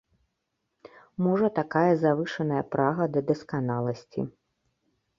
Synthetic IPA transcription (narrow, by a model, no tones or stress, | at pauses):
mɔʐɐt̪akajɐzavɨʂɐnɐjɐpɾaɣɐd̪ɐd̪ɐskanalˠɐsʲt͡sʲḭ